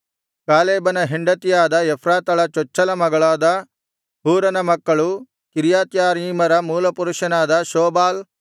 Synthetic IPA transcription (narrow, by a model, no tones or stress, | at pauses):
kaːleːbɐnɐɦiɳɖɐt̪ijaːd̪ɐjɛpʰɾaːt̪ɐɭɐt͡ʃɔt͡ʃːɐlɐmɐɡɐɭaːd̪ɐ | ɦuːɾɐnɐmɐkːɐɭu | kiɾjaːt̪jaːɾiːmɐɾɐmuːlɐpuɾuʂɐnaːd̪ɐʃoːbaːl